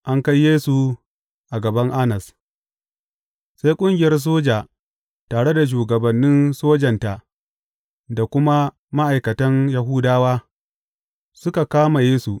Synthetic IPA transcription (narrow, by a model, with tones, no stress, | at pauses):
ʔa˦ŋka˦jːeː˦su˨ | ʔa˨ɡɐ˨bɐ˦ŋʔa˦nɐ˨s | sa˦jkʷʼʊ˦ŋɡʲɪ˨jɐ˦rs̬oː˦d͡ʒaː˨ | taː˨ɽe˦da˨ʃ̬uː˨ɡɐ˨bɐ˨nːɪ˦nsoː˦d͡ʒɐ˨nta˨ʔ | da˨kʷʊ˦ma˦ | ma˦ʔa˨jkɐ˨tɐ˦njɐ˨ɦʊː˦daː˦waː˦ | sʊ˦ka˨kaː˦ma˨jeː˦su˨